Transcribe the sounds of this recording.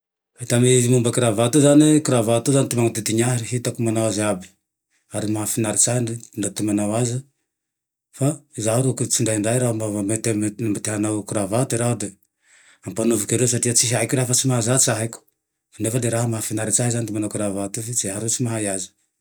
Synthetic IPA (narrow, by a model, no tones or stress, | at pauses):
at̪amezimumbakiɾavat̪uzanikuɾavat̪uzanit̪imaŋat̪et̪iɲaɦɾiɦit̪akumanawazabi | aɾimaafinaɾit͡ʃahindndat̪umanawazi | fazaɾokut͡ʃindajɳdajɾamavaetenambat̪eɦanakuɾavat̪uiɾaude | ampanovukeɾes̬atiat͡ʃiɦaikuɾafat͡ʃimaɦazat͡ʃaɦaku̥ | fanefadeɾaɦamafinaɾit͡ʃaɦizanit̪imanakiɾavat̪uvit͡ʃiɦaɾut͡ʃimaɦajazi̥